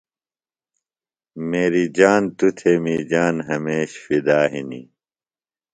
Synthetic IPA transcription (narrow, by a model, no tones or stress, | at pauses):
meːɾid͡ʑaːnt̪ut̪ʰemiːd͡ʑaːnɦɐmeːɕfid̪aːɦinḭ